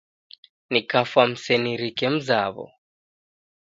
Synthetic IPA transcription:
nikafwam̩sɛniɾikɛm̩zaβɔ̰

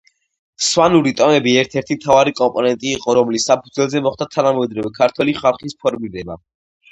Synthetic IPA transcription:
swanuɾit̪ʼɔmɛbiɛɾt̪ʰɛɾt̪ʰimt̪ʰavaɾikʼɔmpʼɔnɛnt̪ʼiːqʼɔɾɔmlisːapʰud̪zwɛlˠzɛmɔχd̪at̪ʰanamɛd̪ɾɔvɛkʰaɾt̪ʰwɛliχalˠχispʰɔɾmiɾɛba

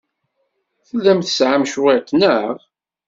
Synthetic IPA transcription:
θəlːæmθəsʕamʃuwɪʁt̪nəʁ

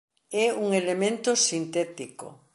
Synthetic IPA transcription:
ɛuŋelemẽnt̪osint̪ɛt̪iko̰

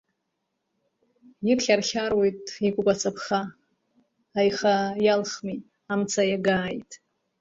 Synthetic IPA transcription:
jɪrχʲarχʲarwe̞jtʼikʷʼʊpʼat͡sʼapʰχa | jχajalχmi | amt͡sʰajaɡaːjtʼ

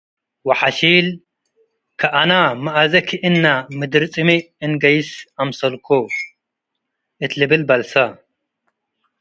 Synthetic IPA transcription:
wɐħaʃiːl | kʰɐʔanamɐʔazɐkʰiʔɨnːamɨd̪ɨɾt͡sʼɨmi | ɨnɡɐjɪsamsɐlkʰo | ʔɨt̪lɨbɨlbɐlsɐ

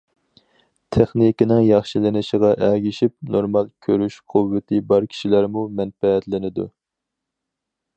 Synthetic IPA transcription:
t̪ʰeχnikʲinɪŋjɑχʃilɪnɪʃiʁɑʔæɡʲiʃip̚noɾmɑlˠkʲʰøɾyʃqʰʊvːɪt̪ʰɪbɑɾkʲʰi̥ʃilæɾmumɛnfɛːt̪lɪnɪd̪ṵ

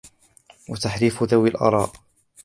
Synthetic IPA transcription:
wat̪aħɾiːfðawɪlʔɑ̰ɾˤɑ̰ːʔ

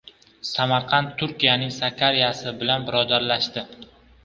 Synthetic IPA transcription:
samaɾqʰɑnt̪ʰːʊɾkʲijanɪŋsakʲʰaɾijasɪbɪlanbɪɾɒd̪aɾlaʃt̪ɪ

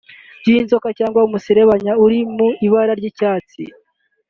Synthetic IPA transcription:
ɟinzo̞kacaːŋɡwaumusiɾeβaɲauɾimuiβaɾaɾɟiːcaːt͡sḭ

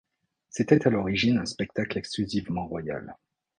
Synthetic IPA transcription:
set̪ɛt̪alɔʁiʒinɛ̃spɛk̚t̪aklɛksklyzivmɑ̃ʁwaja̰l

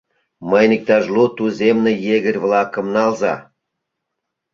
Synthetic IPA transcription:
məjnik̚t̪ɑʒlut̪uzemnĕjeɣə̆rʲβlɑkə̆mnɑlzɑ̰

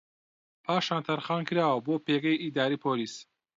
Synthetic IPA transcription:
pʰaːʃaːnt̪ʰɐɾχaːnkʰɨɾaːwɐboːpʰeːɡɐjid̪aːɾiːpʰoːliːs

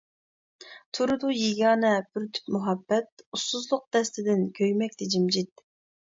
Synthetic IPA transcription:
t̪ʰuɾɨd̪ujiɡʲɑːnɛbyɾt̪ʰy̥pmuɦɑbːɛt̪̚usuzlˠʊq̚d̪ɛst̪ɪd̪ɪnkʲʰøjmɛk̚ʲt̪ʰɛd͡ʒimd͡ʒit̪̚

